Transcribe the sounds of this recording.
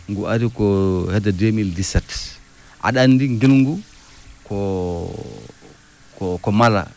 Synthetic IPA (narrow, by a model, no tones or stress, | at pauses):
ŋɡuʔaɾikɔhɛdademildisɛt | ʔa̰ɗandiŋɡilŋɡu | kɔ | kɔkɔmala̰